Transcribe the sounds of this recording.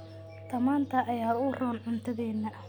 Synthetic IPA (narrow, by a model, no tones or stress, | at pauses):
t̪ʰɐmaːnt̪ʰɐʔɐjaːʊrɔːnʕʊnt̪ʰɐðɛːnːɐ